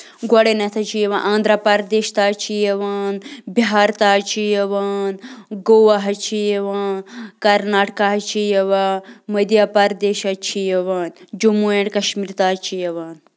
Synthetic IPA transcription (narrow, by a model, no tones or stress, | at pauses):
ɡɐɽenɐt̪ʰɐt͡ʃʰijeʋãnʔãːnd̪ɾapɐɾd̪eːʃt̪aːt͡ʃʰijɐʋaːnbiɦaːɾt̪aːt͡ʃʰijɐʋaːnɡowaɦɐt͡ʃʰijeʋaːnkɐɾnaːʈkaɦɐt͡ʃʰijɐʋamɐd̪japɐɾd̪eːʃɐt͡ʃʰijɐʋaːnd͡ʒumueɳkɐʃmiɾt̪aːt͡ʃʰijɐʋaːn